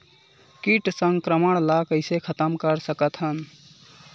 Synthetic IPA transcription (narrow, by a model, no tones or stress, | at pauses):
kiʈsəŋɡkɾəməɳ̃lakəɪsekʰət̪əmkəɾsəkət̪ɦən